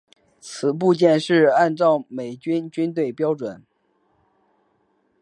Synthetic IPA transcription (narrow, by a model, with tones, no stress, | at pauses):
t͡sʰɹ̩˨˩p̬u˥˧t͡ɕjɛ˥˧nʂɻ̩˥˧a˥˧nʈ͡ʂɑ˥˩ʊme˨˩ɪt͡ɕy˥nt͡ɕy˥nt̪̬we˥˩ɪpjɑ˥ʊʈ͡ʂwə˨˩˦n